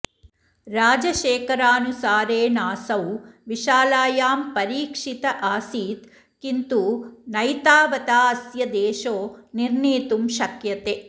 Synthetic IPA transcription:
ɾaːd͡ʒɐʃeːkɐɾaːnusaːɾeːnaːsɐwʋiʃaːlaːjaːmpɐɾiːkʂit̪ɐʔaːsiːt̪ | kint̪unɐjt̪aːʋɐt̪aːɐsjɐd̪eːʃoːniɾneːt̪umʃɐkjɐt̪e

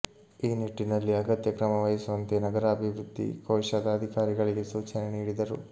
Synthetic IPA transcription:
iːniʈːinɐlːiɐɡɐt̪jɐkɾɐmɐʋɐjisuʋɐnt̪eːnɐɡɐɾɐɐbʱiʋɾud̪ʱːḭkɐːʂɐd̪ɐːd̪ʱikaːɾiɡɐɭiɡe̞suːt͡ʃɐneniːɽid̪ɐɾu

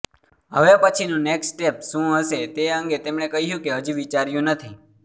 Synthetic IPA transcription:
ɦəʋepət͡ʃʰinũneksʈepʃũɦəʃet̪eəŋɡet̪emɳekəɦjũkeɦəd͡ʒiʋit͡ʃaɾjũnət̪ʰi

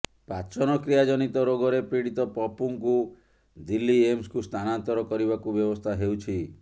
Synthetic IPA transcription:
pat͡ʃɔnɔkɾijad͡ʒɔnit̪ɔɾoɡɔɾepɾiɽit̪ɔpɔpuŋku | d̪ilːiemskust̪ʰanant̪ɔɾɔkɔɾiβakubjɔbɔst̪ʰaɦewt͡ʃʰi

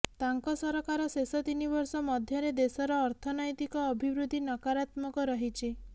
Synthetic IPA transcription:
t̪aŋkɔsɔɾɔkaɾɔsesɔt̪inibɔɾsɔmɔd̪ʱjɔɾed̪esɔɾɔːɾt̪ʰɔnɔjt̪ikɔːbʱibɾud̪ʱinɔkaɾat̪mɔkɔɾɔɦit͡ʃʰi

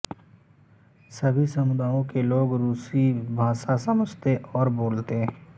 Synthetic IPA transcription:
sɐbʱisɐmʊd̪aːjõkeloːɡɾuːsibʱaːʃasɐməd͡ʒʱt̪eʔɔːɾboːlt̪e

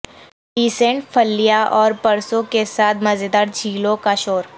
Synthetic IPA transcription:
ʈiːsẽɳʈfʰəlːijaʔɔːɾpɐɾsõkesaːt̪̚ʰmɐzed̪aɾd͡ʒʱiːlõkaʃoːɾ

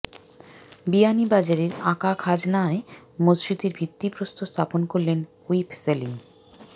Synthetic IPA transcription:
bianibad͡ʑaɾeɾakakʰad͡ʑnaemosd͡ʑit̪eɾbʱit̪ːipɾost̪ʰost̪ʰaponkoɾlen | uipʰseliŋ

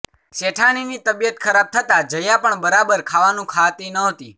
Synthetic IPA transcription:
ʃeʈʰaninit̪əbijət̪kʰəɾab̚t̪ʰət̪ad͡ʒəjãpəɳbəɾabəɾkʰaʋanũkʰat̪inəɦot̪i

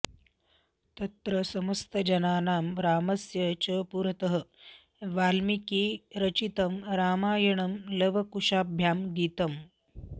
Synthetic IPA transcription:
t̪ɐt̪ɾɐsɐmɐst̪ɐd͡ʒɐnaːnaːmɾaːmɐsjɐt͡ʃɐpuɾɐt̪ɐɦə̆ | ʋaːlmikiːɾɐt͡ʃit̪ɐmɾaːmaːjɐɳɐmlɐʋɐkuʂaːbʱjaːmɡiːt̪ɐm

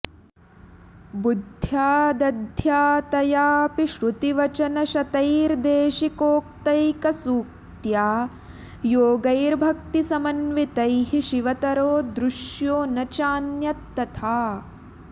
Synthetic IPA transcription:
bud̪ʱjaːd̪ɐd̪ʱjaːt̪ɐjaːpiʃɾut̪iʋɐt͡ʃɐnɐʃɐt̪ɐjɾd̪eːʃikoːk̚t̪ɐjkɐsuːk̚t̪jaː | joːɡɐjɾbʱɐk̚t̪isɐmɐnʋit̪ɐjɦiʃiʋɐt̪ɐɾoːd̪ɾuʃjoːnɐt͡ʃaːnjɐt̪ːɐt̪ʰaː

